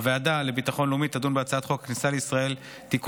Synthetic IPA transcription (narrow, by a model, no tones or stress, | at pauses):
veadale̞bitaχo̞nlumit̪adunbeat͡saatχo̞kknisaleisʁae̞l | t̪ik